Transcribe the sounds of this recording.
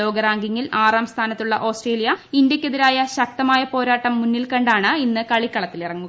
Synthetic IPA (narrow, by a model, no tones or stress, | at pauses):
o̞ːɡɐɾaːŋɡiŋːilaːraːmst̪ʰaːnɐt̪ːuɭːɐ̰ʔo̞ːsʈreːlijɐind̪jɐkʲːeðiɾaːjɐɕɐk̚t̪ɐmaːjɐpo̞ːɾaːʈːɐmːunːilkɐɳɖaːɳɨinːɨkɐɭikːɐɭɐt̪ːilirɐŋːu